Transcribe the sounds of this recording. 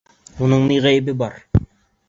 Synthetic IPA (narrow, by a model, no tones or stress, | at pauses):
unɤɴniʁæjɘbɘbɑɾ